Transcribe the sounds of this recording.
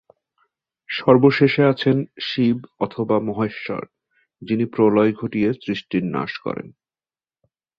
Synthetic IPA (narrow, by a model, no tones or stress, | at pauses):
ʃɔɾboʃeʃeat͡ɕʰenʃibɔt̪ʰobamɔɦeʃːɔ̰ɾ | d͡ʑinipɾolɔjɡʱoʈijesɾiʃʈinna̰ʃkɔ̰ɾḛn